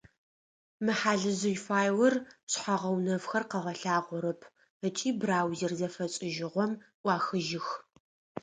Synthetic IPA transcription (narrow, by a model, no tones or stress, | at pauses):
mɨħaːɮɨzɨjfaːjwɐrɕħaʁɐwnɐvxɐrqɐʁɐɬaːʁʷʊɾɨpʰ | ət͡ʃʼiːbraːwzɪrzɐfɐt͡ʃʼɪʒɪʁʷɔmʔʷɑːxɨʒɪx